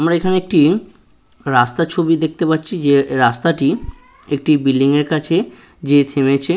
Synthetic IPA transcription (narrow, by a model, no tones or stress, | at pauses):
amɾaekʰaneek̚ʈi | ɾast̪at͡ɕʰobid̪ek̚t̪epatːɕʰid͡ʑeɾast̪aʈi | ek̚ʈibilːiŋeɾkat͡ɕʰe | d͡ʑet̪ʰemet͡ɕʰe